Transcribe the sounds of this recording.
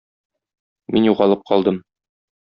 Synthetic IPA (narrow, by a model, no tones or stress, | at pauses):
minjuʁɑlˠɤp̚qɒlˠd̪ɤm